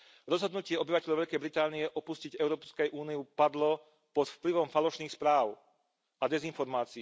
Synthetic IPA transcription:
ɾɔzɦɔd̪nucɪɛɔbiʋacɛʎɔʊʋɛʎkɛjbɾit̪aːniɛʔɔpusciɟɛʊɾɔːpskɛjʔuːniupad̪lɔ | pɔt̪fpliʋɔmfalɔʃniːxspɾaːʊ | ad̪ɛzinfɔɾmaːt͡si

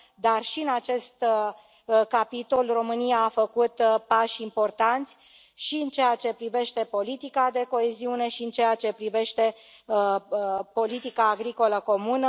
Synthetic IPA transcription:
d̪arʃiɨnat͡ʃe̞st̪ | kapit̪o̞lro̞mɨnijaːfəkut̪paʃimpo̞rt̪ant̪sʲ | ʃiɨnt͡ʃejat͡ʃe̞pɾive̞ʃt̪e̞po̞lit̪ikad̪e̞ko̞e̞ziune̞ʃiɨnt͡ʃe̞jat͡ʃe̞pɾive̞ʃt̪e̞ | po̞lit̪ikaːɡɾiko̞ləko̞munə

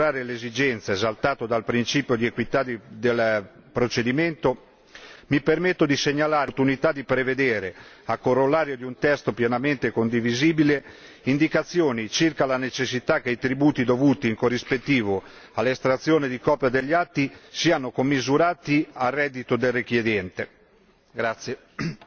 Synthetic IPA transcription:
ɾaːɾelezid͡ʒɛnt̪seezalt̪aːt̪od̪alpɾint͡ʃiːpjod̪iekwit̪ad̪id̪el | pɾot͡ʃed̪iment̪o | mipermet̪ːod̪iseɲːalaːrt̪unit̪ad̪ipɾeved̪eːɾe | akːorːolːaːɾjod̪iunt̪ɛst̪opjɛnament̪ekond̪iviziːbile | ind̪ikat̪sːjoːnit͡ʃirkalanet͡ʃesːit̪akːeit̪ɾibuːt̪id̪ovuːt̪iːŋkorːispet̪ːiːvo | alːest̪ɾat̪sːjoːned̪ikɔːpjad̪eʎːat̪ːisiːanokomːizuɾaːt̪iarːɛd̪ːit̪od̪elrekjed̪jɛnt̪e | ɡɾat̪sːje

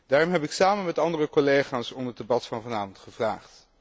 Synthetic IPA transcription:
d̥aːrɔmɦɛpɪksaːmənmɛtɑndərəkɔlejχaːsɔndəədebɑtfɑnvɑnaːvɔntχəvra̰ːχt

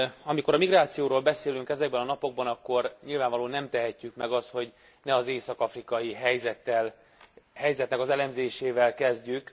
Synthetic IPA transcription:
ɒmikoɾɒmiɡraːt̪sijoːɾoːlbɛseːlyŋkɛzɛɡ̚bɛnɒnɒpo̞ɡ̚bɒnɒkːo̞rɲilvaːɱvɒloːnɛmt̪ɛɦɛcːykmɛɡɒst̪ho̞ɟ | nɛɒzeːsɒkɒfrikɒjiɦɛjzɛt̪ːɛl | hɛjzɛt̪nɛkɒzɛlɛmzeːʃeːvɛlkɛzɟyk

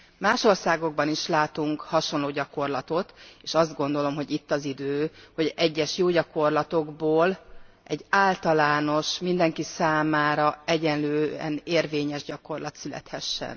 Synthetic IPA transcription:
maːʃo̞rsaːɡo̞ɡ̚bɒniʃlaːt̪uŋkhɒʃo̞nloːɟɒko̞rlɒt̪o̞t̪eːʃɒzd̪ɡo̞nd̪o̞lo̞mɦo̞ɟit̪ːɒzid̪øːho̞ɟɛɟːɛʃjoːɟɒko̞rlɒt̪o̞ɡboːl | ʔɛɟːaːlt̪ɒlaːno̞ʃmind̪ɛŋkisaːmaːɾɒɛɟɛnløːɛ̰neːrveːɲɛʒɟɒko̞rlɒt̪sylɛ̰t̪hɛʃːɛ̰n

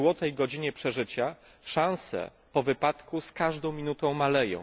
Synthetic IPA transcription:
wɔt̪ɛjɡɔd͡ʑiɲɛpʂɛʐɘt͡ɕa | ʂãw̃sɛ̰ | pɔvɘpat̪kuskaʐd̪ɔ̃w̃mʲinut̪ɔ̃w̃malɛjɔ̰̃w̃

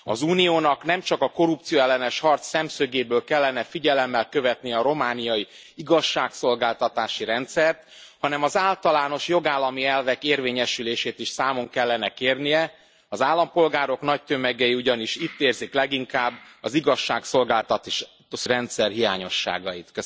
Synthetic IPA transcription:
ɒ̰zuːnijoːnɒknɛmt͡ʃɒkɒko̞ɾupt̪sijoɛlːɛnɛʃhɒrt̪sːɛmsøɡeːbøːlkɛlːɛnɛfiɟɛlɛmːɛlkø̞vɛt̪nijɛːɾo̞maːnijɒji | iɡɒʃːaːkso̞lɡaːlt̪ɒt̪aːʃiɾɛnt̪sɛrt̪ | hɒnɛmɒzaːlt̪ɒlaːno̞ʃjo̞ɡaːlːɒmiɛlvɛkeːrveːɲɛʃyleːʃeːt̪iʃsaːmo̞ŋkɛlːɛnɛkeːrnijɛ | ɒzaːlːɒmpo̞lɡaːɾo̞kn̪ɒc̚t̪ømɛɡɛjiuɟɒniʃit̪ːeːrziklɛɡiŋkaːbːɒziɡɒʃːaːkso̞lɡaːlt̪ɒt̪ | ɾɛnt̪sɛrɦija̰ːɲo̞̰ʃːa̰ːɡɒjit̪kø

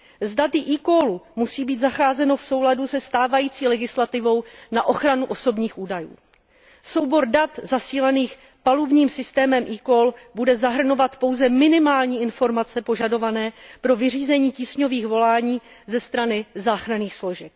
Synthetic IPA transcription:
zdat̪ɪʔiːkolumusiːbiːt̪zaxaːzɛno̞fso̞wladusɛst̪aːvajiːt͡siːlɛɡɪslat̪ɪvo̞wnaʔo̞xɾanuʔo̞so̞bɲiːxʔuːdajṵː | so̞wbo̞ɾdat̪zasiːlɛniːx | palubɲiːmsɪst̪ɛːmɛmʔiːkolbudɛzaɦr̩no̞vat̪po̞wzɛmɪnɪmaːlɲiːɪnfo̞ɾmat͡sɛpo̞ʒado̞vanɛːpɾo̞vɪr̝iːzɛɲiːciːsɲo̞viːxvo̞laːɲiːzɛst̪ɾanɪzaːxɾaniːxslo̞ʒɛk̚

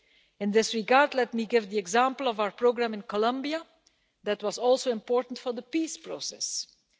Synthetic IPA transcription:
ɪ̃nd̪ɪsɹiɡaːɹdlɛt̚miɡɪvd̪iɛɡzãmpəl̩ˠɔvaʊəɹpɹoɡɹãmɪ̃nkɔlʌ̃mbia | d̪ætwɑzɔlˠsoɪ̃mpɔːɹtən̩tfɔɹd̪əpiːspɹosɛs

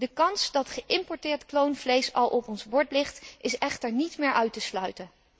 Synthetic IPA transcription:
dəkɑnsdɑtχəʔɪmpɔɹtɪːɹtklownvlejsɑlˠʔɔpɔnzbɔɹtlɪχtɪsɛχtəɹnitmɪːɹʔœɥtəslœɥtən

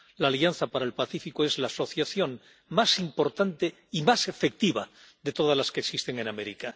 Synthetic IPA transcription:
laːlianθapaɾaelpaθifikoe̞zlaːso̞θjaθjo̞ŋ | masimpo̞ɾt̪ant̪e̞ | imase̞fe̞k̚t̪iβad̪e̞t̪o̞ð̞azlaskeksist̪e̞ŋe̞name̞ɾika

